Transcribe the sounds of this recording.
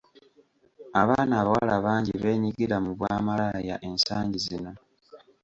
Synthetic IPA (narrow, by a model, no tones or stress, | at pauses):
aβaːnaːβawalaβaːɲɟiβe̞ːɲiɡiɾamuβwaːmalajaʔe̞nsaːɲɟizino̞